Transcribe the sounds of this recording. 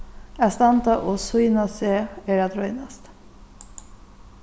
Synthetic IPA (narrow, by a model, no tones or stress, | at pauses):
æst̪ɑnt̪ɑʔoːsʊjnɑseːeːɖɑt̪ʰɾœʏnɑst̪